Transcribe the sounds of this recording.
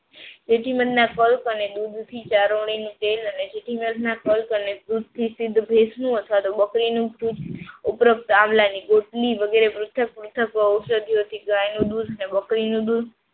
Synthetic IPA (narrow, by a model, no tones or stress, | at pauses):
d͡ʒeʈʰiməd̪nakəlkəned̪ud̪ʱt̪ʰit͡ʃaɾoɽ̃inũʈeləned͡ʒeʈʰiməd̪ʱnakəlkəned̪ud̪ʱt̪ʰisɪd̪ʱːbʱesnũət̪ʰʋat̪obəkɾinũbʱɾud͡ʒʊpɾəp̚t̪amlaniɡoʈliʋəɡeɾepɾʊt̪ʰək̚pɾut̪ʰəkʋəuʃəd̪ʱiot̪ʰiɡajnũd̪ud̪ʱənebəkɾinũd̪ud̪